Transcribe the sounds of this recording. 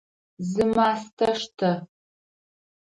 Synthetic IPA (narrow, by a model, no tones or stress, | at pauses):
zɨmaːstʰɐʂtʰɐ